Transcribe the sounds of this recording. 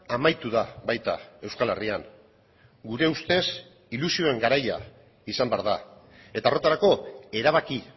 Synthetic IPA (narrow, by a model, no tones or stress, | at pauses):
amajt̪uðaβajt̪a̰e̞wskale̞̰riaŋ | ɡuɾe̞ust̪e̞s | ilusio̞e̞ŋɡaɾaja̰ | isambeaɾða | e̞t̪aːro̞t̪aɾako̞e̞ɾaβ̞aki